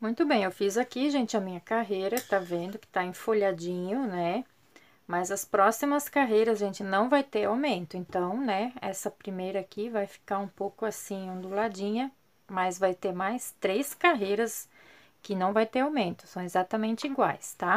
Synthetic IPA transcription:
mũj̃t̪ʊbẽj̃ewfizakiʒẽnt͡ʃɪɐmĩɲɐkaɦejɾɐt̪avẽnd̪ʊkɪ̥t̪aẽfoʎad͡ʒĩɲʊnɛ | mɐzɐspɾɔsimɐskaɦejɾɐzʒẽnt͡ʃɪnɐ̃w̃vajt̪eɾawmẽnt̪ʊẽnt̪ɐ̃w̃nɛɛ̰sɐpɾimejɾɐːkivajfi̥kaɾũpowkʊasĩũd̪ulad͡ʒĩɲɐ | mɐzvajt̪eɾmajst̪ɾeskaɦejɾɐs | kɪnɐ̃w̃vajt̪eɾawmẽnt̪ʊ̥sɐ̃w̃ezat̪ɐmẽnt͡ʃɪiɡwa̰jst̪a

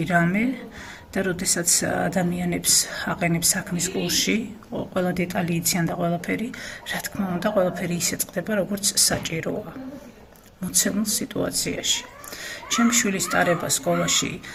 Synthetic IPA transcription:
ɾamɛ | d̪̥aɾɔd̪ɛsat̪sʰa̰d̪amianɛpsaqʼɛnɛpsakʰmiskʼuɾsʃi | qʼwɛlˠad̪ɛt̪ʼaliːt̪sʰiand̪aqʼwɛlˠapʰɛɾiɾat̪ʰkʰmaund̪aqʼwɛlˠapʰɛɾiːsɛt̪ʼqʼd̪ɛbaɾɔɡɔɾt̪sʰsat͡ʃʼiɾɔ̰a | mɔt̪sʰɛmulˠsit̪ʼṵa̰t̪sʰia̰ʃi̥t͡ʃʰɛmʃwilist̪ʼaɾɛbaskʼɔlˠaʃḭ

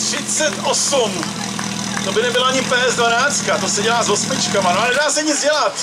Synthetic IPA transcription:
t̪r̥ɪt͡sɛt̪osum | t̪o̞bɪnɛbɪloaɲɪpɛːɛzdvanaːt͡st̪̚kat̪o̞sɛɟɛlaːzɦosmɪt͡ʃkamanoanɛdaːsɛɲɪd͡zɟɛlat̪

